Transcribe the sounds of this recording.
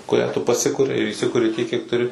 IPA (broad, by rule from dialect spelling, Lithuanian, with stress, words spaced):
kʊˈrʲæː tʊ pɐˈsʲɪkʊrʲɪ ɪr iːˈsʲɪkʊrʲɪ tʲiɛk kʲiɛk tʊˈrʲɪ